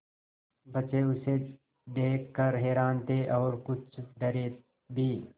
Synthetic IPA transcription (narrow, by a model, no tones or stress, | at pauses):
bɐt͡ʃeʊse | ɖ̪eːkːəɾɦɛːɾaːnt̪eʔɔːɾkʊt͡ʃʰɖɐɾe | bʱiː